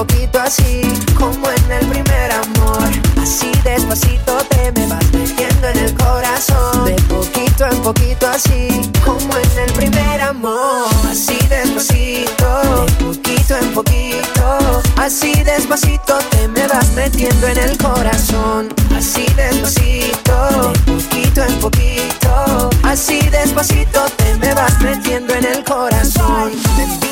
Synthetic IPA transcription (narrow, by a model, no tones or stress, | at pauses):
okit̪oasikomoene̞lpɾimeɾamoɾasiðe̞zβasit̪o̞t̪e̞me̞βazme̞t̪je̞nd̪oene̞lko̞ɾasond̪epokit̪oempokit̪oasikomoene̞lpɾimeɾamoɾasiðezβasit̪opokit̪oempoki | t̪oasiðe̞sposit̪o̞t̪eme̞βazme̞t̪je̞nd̪oe̞ne̞lkoɾasonasiðesposit̪opokit̪oempokit̪oasiðe̞spoasit̪o̞t̪eme̞βazme̞t̪je̞nd̪oe̞ne̞lko̞ɾason